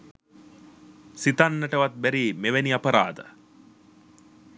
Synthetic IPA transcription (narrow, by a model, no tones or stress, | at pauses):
sit̪anːəʈəʋat̪̚bæɾiːmeʋeniapəɾaːd̪ə